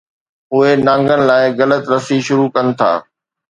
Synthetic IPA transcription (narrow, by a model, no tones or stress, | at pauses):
ɦʊenãːŋɡənɪ̆laːɪɣɐlət̪ɾɐsiʃʊɾukɐnɪ̆t̪ʰa̰ː